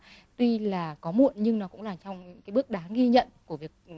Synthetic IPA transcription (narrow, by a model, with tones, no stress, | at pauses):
t̪wi˧laː˨˩kɔ˨˦mṵ˧˨ənɲɨ˧ŋnɔ˨˦kʊ̰˧˥ŋ͡mlaː˨˩t͡ɕɔ˧wŋ͡mkaː˨˦jɓɨ˦˥ək̚ɗaː˨˦ɣi˧ɲə̰˧˨nku˧˩əvi˨˩ək̚